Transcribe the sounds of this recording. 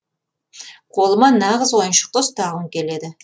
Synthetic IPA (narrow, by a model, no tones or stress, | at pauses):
qʰo̞lˠəmɑnɑʁəzwo̞jənʃə̥q̚t̪əst̪ɑʁəmkʲʰe̞le̞d̪ɪ